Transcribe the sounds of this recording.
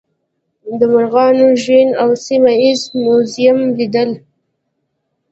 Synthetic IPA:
d̪əmʊɾɣɑnoʒwinawsimaizmʊzijamlid̪əl

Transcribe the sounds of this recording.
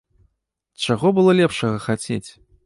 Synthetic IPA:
t͡ʂaɣɔbɨlˠɔlʲɛpʂɐɣɐxat͡sʲet͡sʲ

